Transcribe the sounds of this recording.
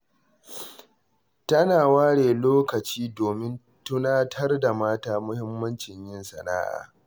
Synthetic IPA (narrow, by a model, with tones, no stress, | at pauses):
tɐ˦naː˨waː˦ɽeː˨loː˦kɐ˨t͡ʃiː˦doː˨mɪ˦n | tʊ˦naː˦tʰɐ˦rda˨maː˦taː˦mʊ˦hɪ˦mːɐ˦nt͡ʃɪ˨ɲjɪ˦nsɐ˨na̰ː˦ʔa̰ː˨